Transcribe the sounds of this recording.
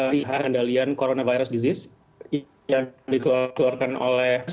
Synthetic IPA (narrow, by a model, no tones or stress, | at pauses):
aɾiɦahəndaliankoɾonavajɾʊsdizɪs | adikəluakəluarkano̰lɛhs